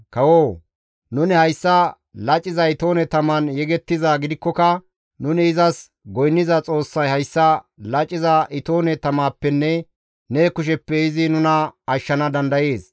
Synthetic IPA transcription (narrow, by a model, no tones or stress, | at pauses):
kɐwoː | nʊnɪhɐjsːɐ | lɐt͡ʃʼːɪzɐɪt̪o̞ːnɛt̪ɐmɐnjɛɡɛt̪ːɪzaːɡɪd̪ɪkːɔkɐ | nʊnɪːzɐs | ɡɔjnːɪzɐt͡sʼo̞ːsːɐjhɐjsːɐ | lɐt͡ʃʼːɪzɐʔɪt̪o̞ːnɛt̪ɐmaːpːɛnːɛ | neːkːʊʃ̬ɛpːɛɪzɪnʊnɐɐʃːɐnɐd̪ɐnd̪ɐjeːs